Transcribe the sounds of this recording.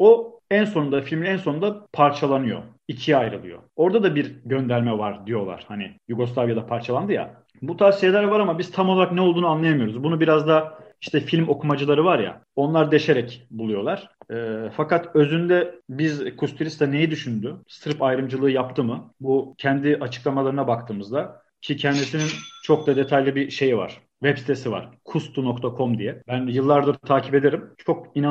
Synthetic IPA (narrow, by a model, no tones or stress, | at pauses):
o̞ænso̞nund̪afilʲmʲænso̞nund̪apʰaɾt͡ʃʰalˠanɯjo̞̰ | icʰiajɾɯ̰lˠɯ̰jo̞̰o̞ɾd̪ad̪abiɾɟø̞nd̪æɾmɛvaɾd̪ijo̞lˠa̰ɾ̥hanɪjuɡo̞slˠavjad̪apʰaɾt͡ʃʰalˠand̪ɯja̰ | but̪ʰavsijelʲæɾvaɾamabiz̥t̪ʰamolˠaɾaknɛolˠd̪uːnanlˠajamɯjo̞ɾuzbunubiɾazd̪aiʃt̪ʰɛfilʲmo̞kʰumad͡ʒɯlˠaɾɯvaɾja̰o̞nlˠaɾd̪e̞ʃe̞ɾɛcbulˠujo̞lˠaɾ̥ːfakat̪ø̞zynd̪ɛbizkʰust̪ʰiɾist̪ane̞jid̪yʃynd̪yst̪ɯɾpajɾɯmd͡ʒɯlˠɯːjap̚t̪ʰɯmɯbucʰɛnd̪iʔat͡ʃʰɯ̥klˠamalˠaɾɯnabakt̪ʰɯːmɯzd̪a | cʰicʰɛnd̪isinint͡ʃʰo̞k̚d̪ad̪e̞t̪ʰajlʲibiʃe̞jiva̰ɾ̥ | vɛpsi̥t̪ʰe̞siva̰ɾ̥kʰust̪ʰunok̚t̪ʰakʰo̞md̪ijɛbænjɯlˠːaɾd̪ɯɾt̪ʰaːcʰipe̞d̪e̞ɾimt͡ʃʰo̞k̚ina